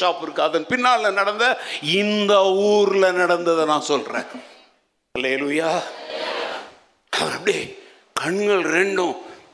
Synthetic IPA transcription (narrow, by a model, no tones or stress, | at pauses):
aːpɪɾɯkːɯɐðɐnpɪnːaːlɪlɐnɐɽɐnd̪ɐɪnd̪ɐuːɾɪlɐnɐɽɐnd̪ɐðɐnãːnsɔlɾḛ̃ː | hɐleːluːjaː | ɐɐɾɛpːɐɽi | kɐɳɡɐɭɾɛɳɖʊ̃